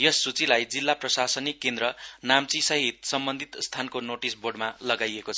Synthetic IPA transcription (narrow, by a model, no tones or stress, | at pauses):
jʌsːut͡silajd͡zilːaprʌsasʌnikːend̪ɾʌnamt͡sisʌɦit̪sʌmbʌnd̪ʱit̪st̪ʰankonoʈisbʱorɖmalʌɡajekot͡sʰʌ